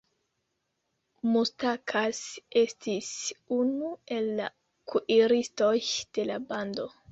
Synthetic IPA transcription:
mustakʰasestisunue̞lːa̰ | kʰuʔiɾisto̞jd̥e̞labando̞

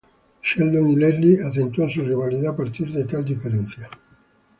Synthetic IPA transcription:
ʃɛld̪oŋilɛrliat̪ent̪ɔns̬urivaliðapːart̪ird̪et̪ald̪ifeɾɛnt̪sja

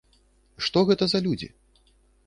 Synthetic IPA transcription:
ʂt̪ɔɣɛt̪ɐzɐlʲud͡zʲḭ

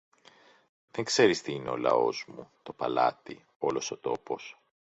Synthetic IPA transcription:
ðeŋkse̞ɾist̪iineo̞lɐ̰o̞̰zmut̪o̞pɐlɐ̰t̪i | o̞lo̞so̞t̪o̞po̞s

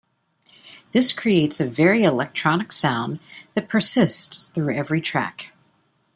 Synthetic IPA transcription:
ðɪskʰɹ̥ieɪtsɨvɛɹiɨlɛk̚tʰɹ̥ɑnɨksãʊ̃nðɨt̚pʰə˞sɪstsθɹʉɛvɹitʰɹ̥æ̰k

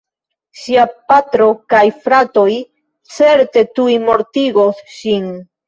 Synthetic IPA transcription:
ʃiapatɾo̞kajfɾato̞j | t͡se̞ɾte̞tujmo̞ɾtiɡo̞sʃin

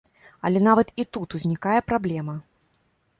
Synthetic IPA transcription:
ɐ̰lʲɛnavɐt̪it̪ut̪uzʲnʲikajɛpɾablʲɛmɐ

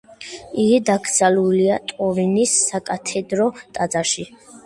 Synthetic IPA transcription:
iɡid̪aɡd̪z̥aluliat̪ʼɔvinisːakʼat̪ʰɛd̪ɾɔt̪ʼad̪zaʃi

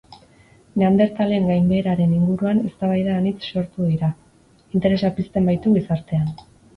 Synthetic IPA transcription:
neand̪e̞ɾt̪ale̞ŋɡajmbe̞ːɾaɾe̞niŋɡuɾuane̞st̪aβ̞ajðaːnit͡sːo̞ɾt̪uðiɾa | int̪e̞ɾe̞sapist̪e̞mbajt̪uɣisaɾt̪e̞an

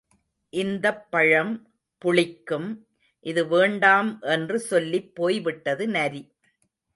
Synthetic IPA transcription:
ʔɪnd̪ɐpːɐɻɐm | pʊɭɪkːɯm | ʔɪðɯʋeːɳɖaːmʔɛndrɯsɔlːipːoːjʋɪʈːɐðɯnɐɾi

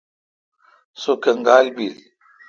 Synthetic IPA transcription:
sokəŋɡalbil

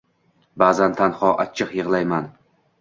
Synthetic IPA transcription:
baːzant̪ʰanhɒʔat͡ʃʰːɨqjɨʁlˠajman

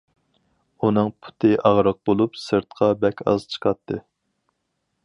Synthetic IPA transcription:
unɨŋpʰu̥t̪ʰɨʔɑʁɾəq̚bolˠupsɨɾt̪qʰɑbɛkʲɑ̰zt͡ʃʰə̥qʰɑt̪ʰːɨ

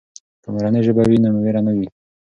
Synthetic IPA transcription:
kamɾaneʒəbawinamuweɾanəwi

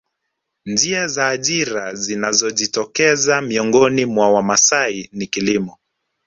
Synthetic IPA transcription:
nd͡ʒiazaːʄiɾazinazɔʄitɔkɛzamiɔŋɡɔnimwawamasainikilimɔ

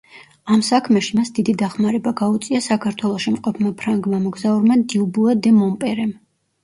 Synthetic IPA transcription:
amsakʰmɛʃimasd̪id̪id̪aχmaɾɛbaɡaut̪sʼiasakʰaɾt̪ʰwɛlˠɔʃimqʼɔpʰmapʰɾaŋɡmamɔɡzauɾmad̪iubuad̪ɛmɔmpʼɛɾɛm

